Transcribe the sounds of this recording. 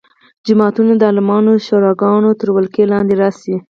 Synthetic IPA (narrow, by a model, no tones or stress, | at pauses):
d͡ʒɪmɑt̪unad̪əɑlɪmɑnoʃoɾɑɡɑnot̪əɾwalkelɑnd̪eɾɑsi